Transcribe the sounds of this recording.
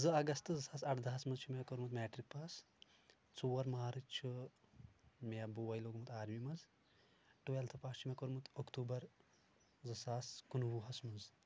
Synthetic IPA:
zɨɐɡɐst̪ɨzɐsaːsɐʈʰd̪aɦɐsmɐzt͡ʃʰumekoɾmut̪mʲeːʈɾik̚paːs | t͡suːɐɾmaːɾɨt͡ʃʰu | meɐbuʋɐjloːɡmɨt̪aːɾmimɐz | ʈuʋelt̪ʰɨpaːst͡ʃʰumekoɾmut̪ʰokt̪uːbɐɾ | zɨsaːskunʋuɦɐsmɐz

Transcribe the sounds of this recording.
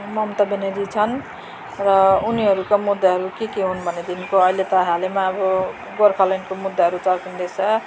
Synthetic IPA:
mʌmt̪ʌbeneɾit͡sʰʌn | ɾʌuniɦʌɾukamud̪ːaɦʌɾukekeɦunbʱʌned̪inkoʌɦilet̪ʌɦalemaːbʌ | ɡoɾkʰʌlʌnkomud̪ːaɦʌɾut͡sʌɾkind̪esʰʌ

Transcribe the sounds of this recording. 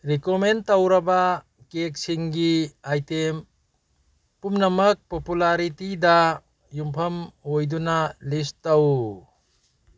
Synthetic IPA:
ɾikomentawɾɐba | kek̚siŋɡiajtem | pumnɐmɐk̚populaɾitida | jumpʰɐmhojdunalistːaw

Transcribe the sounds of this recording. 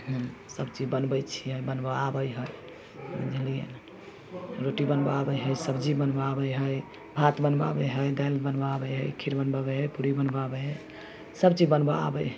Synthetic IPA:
ɦsəbt͡ʃid͡ʒbənbət͡ʃʰiəbənbəabəjɦəj | d͡ʒʱəlijḛn | ɾoʈibənbəabəjɦəjsəbd͡ʒibənbabəjɦəj | bʱat̪bənba̰bəɦəjd̪ajlbənbəabəjɦəjkʰiɾbənbabəɦəjpuɾibənbabəɦəj | səbt͡ʃibənbəa̰bə̰jɦ

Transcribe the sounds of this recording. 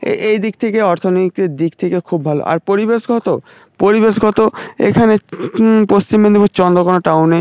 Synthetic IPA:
ḛejd̪ik̚t̪ʰekeɔɾt̪ʰonoik̪ed̪ik̚t̪ʰekekʰubbʱalo̰ʔa̰ɾpoɾibeʃɡʱɔt̪o | poɾibeʃɡʱɔt̪oḛkʰanepost͡ɕimːend̪ibot͡ɕɔnd̪ɾokonoʈawne

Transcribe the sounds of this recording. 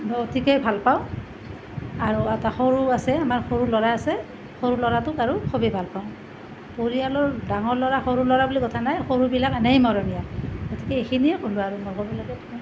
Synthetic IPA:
nɔotʰikejbʱalpaʊ̃ | aɹuataxoɹuasɛamaɹxoɹulɔɹaːsɛ | xoɹulɔɹatʊkaɹukʰobɛbʱalpaʊ̃ | poɹialɔɹdaŋɔɹlɔɹaxoɹulɔɹabulikɔtʰanajxoɹubilakanejmɔɹɔnijaɡotʰikɛexʰiniɛkoluaɹumɔxoɹulakɛtʰkɛ

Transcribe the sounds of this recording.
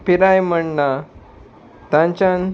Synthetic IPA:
piɾajm̤əɳna | t̪ãɲt͡ɕãn

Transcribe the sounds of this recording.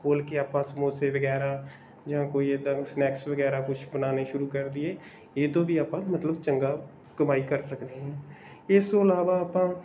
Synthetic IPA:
boːlkeaːpãːsəmoːseːʋəɡɛːɾaː | d͡ʒãːkoːiːeːd̪ãːsnɛːksʋəɡɛːɾaːkʊt͡ʃʰbənaːneːʃʊɾuːkəɾd̪iːɛː | eːt̪õːʋiːaːpãːmət̪ləbt͡ʃəŋɡaː | kəmaːiːkəɾsəkd̪eːɦɛ̃ː | ɪst̪õːəlaːʋaːaːpãː

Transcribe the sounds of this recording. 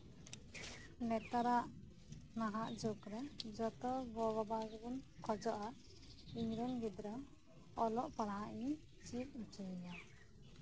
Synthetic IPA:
nɛt̪aɾaʔ | naɦaʔd͡ʒokɾɛd͡ʒɔt̪ɔbɔbɔbaɡbunkʰɔd͡ʒɔʔa | iɲɾɔnbid̪ɾam | ɔlɔʔpaɽaɦaʔɲ | t͡ʃit̪̚ˀut͡ʃunija

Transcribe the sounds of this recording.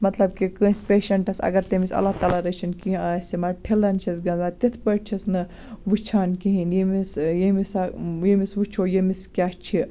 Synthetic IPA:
mɐt̪lɐb̚kikɨ̃spʲeːʃɐɳʈɐsɐ̰ɡɐɾt̪emisɐ̰lːat̪aːlaɾɐt͡ʃʰinkiĩaːsʲimɐʈʰelɐnt͡ʃʰisɡɐnzaːt̪it̪ʰpɐʈt͡ʃʰisnɨ | ʋut͡ʃʰaːnkiɦinjemisjemisajemisʋut͡ʃʰoːjemiskʲaːʃt͡ʃʰi

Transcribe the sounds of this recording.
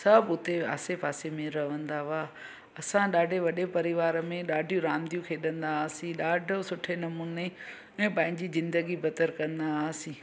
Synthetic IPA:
sɐbʊt̪ea̰ːsepaːsemẽɾɐʋə̃nd̪aʋaː | ɐsãɗaːɖʱeʋɐɗepɐɾɪʋaːɾəmẽɗaːɖʱijũɾãːnd̪ijũkʰeɗɐ̃nd̪aːsĩɗaːɖʱosʊʈʰenɐmuːne | ɛ̃ːpɐ̃ːɦɪ̃ɲd͡ʑizɪ̃nd̪əɡibʱɐt̪əɾkɐ̃nd̪aːsĩː

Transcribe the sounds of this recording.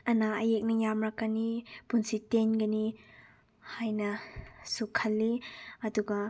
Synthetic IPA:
ɐnaɐjek̚nɐjamɾakːɐnipunsitenɡɐni | hajnɐsukʰːɐlːiɐduɡɐ

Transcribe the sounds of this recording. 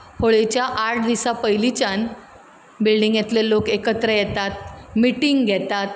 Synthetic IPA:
hoɭet͡ɕjaʔaʈ̚ʰd̪isapəjlit͡ɕan | bilɖiŋɡjet̪lelokekət̪ɾəjɛt̪at̪̚miʈiŋɡɡʱɛt̪at̪̚

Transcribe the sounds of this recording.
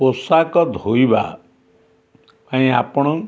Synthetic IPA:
posakɔd̪ʱoiba̰ | paĩa̰pɔɽ̃ɔ

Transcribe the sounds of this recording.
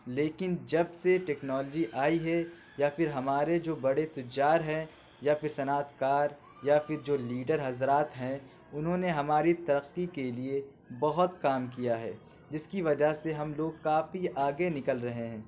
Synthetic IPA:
leːkɪnd͡ʒɐbseʈɛːknɔːld͡ʒiʔaːiɦɛ | jafɪɾɦɐmaːɾed͡ʒoːbɐɽet̪ʊd͡ʒaːɾɦɛ̃ | jafɪɾsɐnaːt̪kaːɾ | jafɪɾd͡ʒoːliːɖəɾɦɐzɾaːt̪ɦɛ̃ | ʊnɦõːneɦɐmaːɾit̪ɐɾəqːikelie | bɐɦʊt̪kaːmkijaɦɛ̰ː | d͡ʒɪskiʋɐd͡ʒaseɦɐmloːɡ̚kaːfiʔaːɡenɪkəlɾɐɦeɦɛ̃ː

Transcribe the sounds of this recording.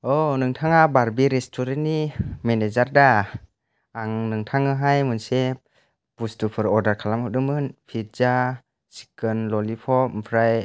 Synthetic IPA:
ɔnɯŋtʰaŋabaɾbiɾestʰɔɾenimenezaɾdaː | ŋnɯŋtʰaŋɯɦajmɯnse | bustupʰɯɾɔɾdaɾkʰalamhɔdɯmɯnpʰit̚za | si̥kɯnlɔlipʰɔpʰɾaj

